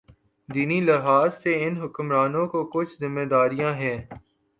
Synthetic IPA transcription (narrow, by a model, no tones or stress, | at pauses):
d̪iːnilɪɦaːzseɪnɦʊkmɾaːnõkokʊt͡ʃʰzɪmːed̪aːɾijãɦɛ̃ː